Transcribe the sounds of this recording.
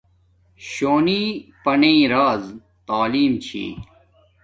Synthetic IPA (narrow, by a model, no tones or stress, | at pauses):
ɕoːniːpɐnẽːɾaːz | t̪aːliːmt͡ɕʰḭː